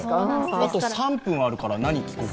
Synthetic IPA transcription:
at̪o̞sãmpɯ̃ɰ̃aɾɯ̟kaɾanaɲ̟ikʲi̥kɯ

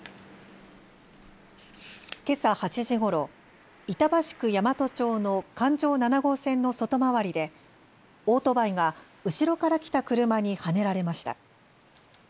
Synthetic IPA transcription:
ke̞sahat͡ɕiʑiɡo̞ɾo̞ | it̪abaɕi̥kɯ̟jamat̪o̞t͡ɕo̞ːno̞kãɲd͡ʑo̞ːnanaɡo̞ːsẽ̞nːo̞so̞t̪o̞maβaɾʲid̪e̞ | o̞ːt̪o̞baiɡa | ɯ̟ɕiɾo̞kaɾakʲi̥t̪akɯ̟ɾɯ̟maɲ̟ihane̞ɾaɾe̞maɕi̥t̪a̰

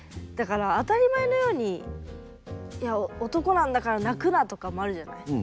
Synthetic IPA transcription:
d̪̥akaɾaːt̪aɾʲimaeno̞jo̞ːɲ̟i | jaoot̪o̞ko̞nãnd̪akaɾanakɯ̟nat̪o̞kamoaɾɯ̟ʑana̰i

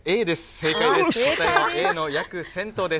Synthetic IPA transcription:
eːd̪e̞sɨ̥seːkaid̪eot̪aaeːno̞jakɯ̟sẽ̞nt̪o̞ːd̪e̞

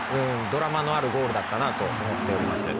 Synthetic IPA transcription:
ɯ̟̃ | d̪o̞ɾamano̞aɾɯ̟ɡo̞ːɾɯ̟d̪at̪ːanat̪o̞omo̞t̪ːe̞o̞ɾʲimasɨ̰

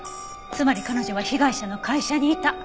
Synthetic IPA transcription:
t͡sɨmaɾʲikano̞ʑo̞βaçiɡaiɕano̞kaiɕaɲ̟iːt̪a

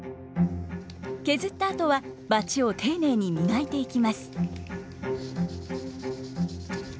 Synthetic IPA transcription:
ke̞zɨt̪ːaːt̪o̞βabat͡ɕio̞t̪ʰe̞ːne̞ːɲ̟imʲinait̪e̞ikʲimasɨ̥

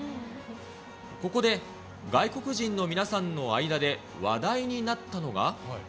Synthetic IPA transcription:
ko̞ko̞d̪e̞ | ɡaiko̞kɯ̟ʑĩnːo̞mʲinasãnːo̞aid̪ad̪e̞ | βad̪aiɲ̟inat̪ːano̞ɡa̰

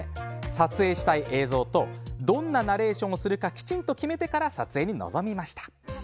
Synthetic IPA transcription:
sat͡sɨe̞ːɕi̥t̪aiʔe̞ːzo̞ːt̪o̞d̪õ̞nːanaɾe̞ːɕõ̞ɰ̃osɨɾɯ̟kakʲi̥t͡ɕĩnt̪o̞kʲime̞t̪e̞kaɾasat͡sɨe̞ːɲ̟ino̞̰zo̞mʲimaɕi̥t̪ḁ

